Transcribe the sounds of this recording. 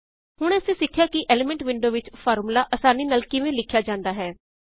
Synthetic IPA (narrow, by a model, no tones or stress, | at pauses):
ɦʊɽ̃ɛːəsĩːsɪkʰːjaːkɪʔɛːlɪmɛ̃ɳʈʋɪ̃ɳɖoːʋɪt͡ʃpʰɔːɾmulaːʔəsaːniːnaːlkɪʋẽːlɪkʰːjaːd͡ʒãːnd̪aːɦɛː